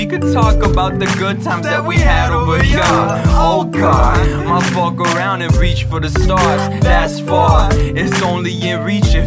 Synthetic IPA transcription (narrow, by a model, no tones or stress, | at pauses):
ikɨd̚tʰɔkəbaʊt̪̚ðɨɡʊd̚tʰãɪ̃mzðɨt̚wiɨɾvəj | oʊɡɑdmaɪfɔkə˞ãʊ̃ndɨ̃nɹit͡ʃfə˞ðɨstɑɹz̥ðæsfəɪtsõʊ̃nliɪ̃nɹit͡ʃɨ